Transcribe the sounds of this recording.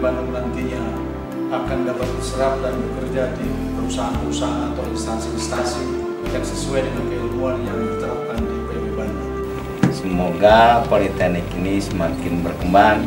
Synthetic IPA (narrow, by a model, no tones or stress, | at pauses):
banuŋnant̪iɲa | akandapat̪̚bəsəɾap̚danbəkərd͡ʒadi | pəɾusaɦanpəɾusaɦanat̪awlist̪ansiist̪asiŋ | jaŋsəsuajdɛŋankəumpuanjaŋbit̪aakandipajamuani | səmoɡapalit̪anɛkinisəmakɪnbərkəmban